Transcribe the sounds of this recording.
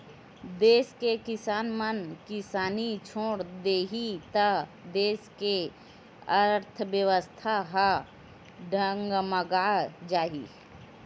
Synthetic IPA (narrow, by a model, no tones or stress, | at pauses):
d̪eːskekɪsaːnmənkɪsaːnit͡ʃʰoːɽd̪eːɦit̪əd̪eːske | əɾt̪ʰəbjəʋəst̪ʰaɦa | ɖʱəŋɡməɡaːd͡ʒaːɦi